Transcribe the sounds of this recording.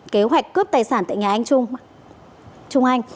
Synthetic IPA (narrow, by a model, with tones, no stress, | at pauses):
ke˨˦ɦwa˨˩jk̟̚kə˦˥p̚t̪aː˨˩jsaː˧˩nt̪a̰ː˧˨jɲaː˨˩ʔa˧jŋ̟t͡ɕʊ˧ŋ͡m | t͡ɕʊ˧ŋ͡mʔa˧jŋ̟